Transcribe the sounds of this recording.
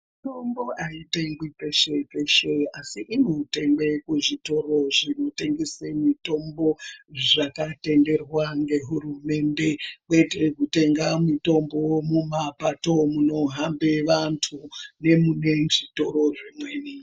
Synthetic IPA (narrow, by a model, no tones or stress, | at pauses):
m | tomboaiteŋɡwit͡seʃepeʃeasiʔimute̞ŋbekuʐito̞ro̞ʐino̞te̞ŋɡesemito̞mbo̞ʐakate̞nde̞rwaŋɡe̞ɦuɾume̞nde̞kwetekute̞ŋɡamito̞mbo̞mumapato̞muno̞ɦambeʋantʰune̞mune̞ʐito̞ɾo̞ʐimweːni